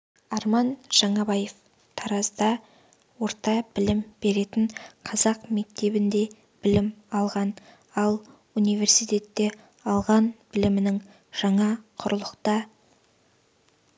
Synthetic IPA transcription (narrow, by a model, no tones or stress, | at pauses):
ɑɾmɑnʒ̥ɑɴɑbɑje̞f | t̪ʰɑɾɑzd̪ɑ | wo̞ɾt̪ɑbɪlɪmb̥e̞ɾe̞t̪ɪɴqʰɑzɑqme̞k̚t̪e̞bɪnd̪e̞ | b̥ɪlɪmɑlˠʁɑn | ɑlˠ | unijve̞ɾsijt̪e̞t̪ːe̞ | ɑlˠʁɑnbɪlɪmɪnɪŋ | ʒ̥ɑɴɑqʰʊɾəlˠəqt̪ɑ